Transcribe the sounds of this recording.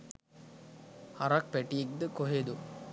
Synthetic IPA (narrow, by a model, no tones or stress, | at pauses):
haɾak̚pæʈijek̚d̪əkoɦed̪u